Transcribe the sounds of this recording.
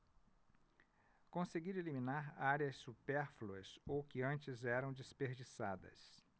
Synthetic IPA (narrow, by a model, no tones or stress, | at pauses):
kõseɡiɾelimĩnaɾaɾjɐsːupɛɾfluɐsowkɪɐ̃nt͡ʃɪzɛɾɐ̃w̃d͡ʒispeɾd͡ʒisad̪ɐ̰s